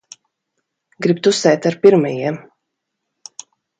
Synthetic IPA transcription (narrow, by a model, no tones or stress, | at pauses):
ɡɾibt̪usɛjt̪aɾpiɾmajiɛm